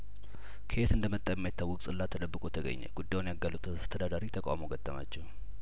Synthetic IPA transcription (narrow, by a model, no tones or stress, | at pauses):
kʰəet̪ɨnd̪əmət̪ʼːajɛmːajt̪ːawɔkʼsʼɨlːat̪ʰəd̪əbːɨkʼut̪ʰəɡə̰ɲːɛ̰ɡ̥ud̪ːajwunjaɡalːut̪ʰast̪ʰəd̪ad̪aɾit̪ʰəkʼa̰moɡət̪ʼːəma̰t͡ʃːɛw